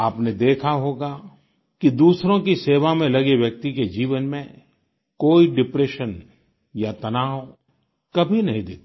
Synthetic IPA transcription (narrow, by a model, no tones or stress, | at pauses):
aːpned̪eːkʰaɦoːɡa | kid̪uːsɾõkiseːʋamẽlɐɡeʋjɐk̚t̪iked͡ʒiːʋənmẽ | koːiɖɪpɾeːʃən | jat̪ɐnaːwo | kɐbʱinɐɦĩd̪eːt̪ː